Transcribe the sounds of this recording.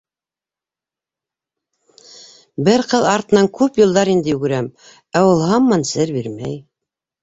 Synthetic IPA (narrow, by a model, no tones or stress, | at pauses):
bɘɾqɤðˠɑɾt̪ɤ̆nɑŋkʉpjŭlˠd̪ɑɾind̪ɘjʉɡɘ̆ɾæm | æwŭlˠhɑmːɑnsɘɾbiɾmæj